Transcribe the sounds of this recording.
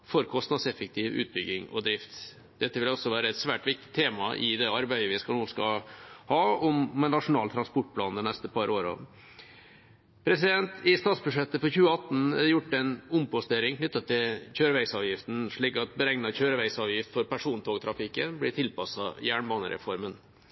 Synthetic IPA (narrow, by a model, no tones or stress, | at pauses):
fɔɾkʰɔst̪nɑd̪sɛfɛk̚t̪ʰɪʋʉ̰ːt̪̚bʏɡːɪŋɔ̰d̪ɾɪft̪ | d̪̥ɛt̪ːəʋɪlɔsːɔʋæːɾəɛt̪sʋæːʈʋɪk̚t̪ɪ̥t̪ʰeːmɑʔɪ̰d̪ɛɑɾbæɪəʋɪskɑnuːskɑhɑːɔmɛnːɑʂʊnɑːlt̪ʰɾɑnspɔʈ̚pʰlɑːnd̪ɛnɛst̪əpʰɑɾʔoːɾɑ̰ | pʰɾɛsɪd̪ɛnt̪ɪst̪ɑːt̪sbʉʂɛt̪ːəfɔɾçʉːəɑt̪n̩ɛjʊʈːɛnʊmpɔst̪eːɾɪŋkʰnʏt̪ːət̪ʰːɪlçøːɾəʋæɪsɑːʋjɪft̪n̩ʂɭiːkɑt̪bəɾɛŋnɑçøːɾəʋæɪsɑːʋjɪft̪fɔɾpæʂuːnt̪ʰoːɡt̪ʰɾɑfɪkːənblɪʈ̪ʰɪlpɑsɑjæːɳmɑnəɾɛ̰fɔɾmən